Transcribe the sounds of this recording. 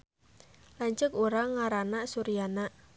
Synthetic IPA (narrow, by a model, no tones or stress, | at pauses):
laɲt͡ʃəkuɾaŋaɾanaʔsuɾijanaʔ